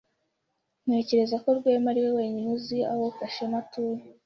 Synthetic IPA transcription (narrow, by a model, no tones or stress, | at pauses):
n̥e̞ːce̞ɾe̞zako̞ɾɡwe̞ːmaɾiwewe̞ːɲinuzia̰woufaʃematuːje